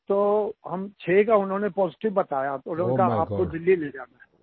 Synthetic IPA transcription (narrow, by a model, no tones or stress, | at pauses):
t̪oːɦɐmt͡ʃʰeːkaʊnɦõːnepɔːzɪʈɪʋbɐt̪aːjaʊnɦõːnkaa̰ːp̚kod̪ɪlːileːd͡ʒaːnaɦɛː